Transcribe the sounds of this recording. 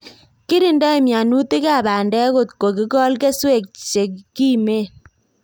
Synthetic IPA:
ki˦ɾi˨nda˦i˨mja˨nu˦ti˦ka˦˨ba˨ndɛ˦ko˨tko˨ki˦kɔ˦lke˦swe˦˨k̚t͡ʃe˨kki˦me˦

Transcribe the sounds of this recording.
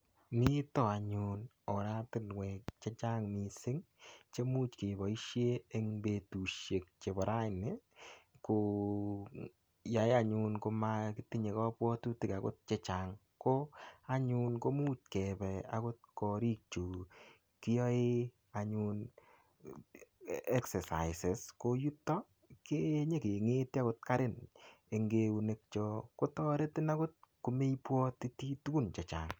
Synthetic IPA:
mi˦tɔ˦˨a˨ɲun | ɔ˨ɾa˦tɪ˦nwɛ˨k̚t͡ʃe˦t͡ʃa˦ŋmi˨sɪ˦ŋ | t͡ʃe˦mu˦tke˨bɔ˨i˦ʃje˦e˦ŋbe˨tu˨ʃje˨k̚t͡ʃe˨bɔ˨ɾa˦ɪ˨ne˦ko˨ | ja˨˦ja˦ɲu˧nko˧ma˧ki˦ti˦ɲe˨kɔ˦pwɔ˦tu˦ti˨ka˨ko˦t̚t͡ʃe˦t͡ʃa˨ŋ | ko˦a˦ɲu˦nko˦mu˦tkɛ˨pɛ˨a̰˦ko˦t̚kɔ˨ɾi˦k̚t͡ʃu˨ | ki˦jɔ˦e˦ | a˨ɲu˦n | ɛ˦ksɛ˨sa̰˨ɪse˨sko˦ju˦tːɔ˦ | ke˦ɲe˦ke˨ŋe˦ti˦a˦ko˦t̚ka˦ɾɪ˦n | e˨ŋɡe˦u˨ne˦k̚t͡ʃɔ˧ko˦tɔ˦ɾe˦tɪ˦na˦ko˦t̚ku˨me˦pwɔ˦ti˦ti˦tu˦ku˦nt͡ʃɛ˨t͡ʃa̰ː˨ŋ

